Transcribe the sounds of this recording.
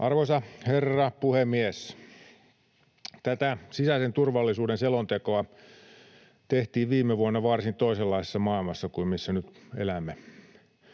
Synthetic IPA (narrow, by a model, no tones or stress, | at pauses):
ʔɑrʋoisɑherːɑpuhemːies | t̪æt̪æsisæsent̪urʋɑlːisuːdenselont̪ekoɑ | t̪eht̪iːʋʋiːmːeʋuonːɑʋɑrsint̪oiselːɑise̥sːɑmɑilmɑsːɑkuimisːænyt̪elæmːe